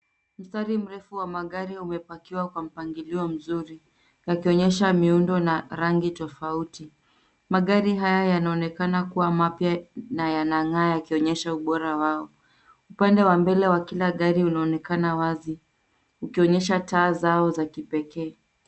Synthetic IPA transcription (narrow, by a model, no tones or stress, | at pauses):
m̩staɾim̩ɾɛfuwamaɠaɾiumɛpakiwakwam̩paŋɡiliɔm̩zuɾi | jakiɔɲɛʃamiundɔnaɾaŋɡitɔfauti | maɠaɾiɦajajanaɔnɛkanakuwamapjanajanaŋaːjakiɔɲɛʃauɓɔɾawaɔ | upandɛwambɛlɛwakilaɠaɾiunaɔnɛkanawazi | ukiɔɲɛʃataːzaɔzakipɛkɛː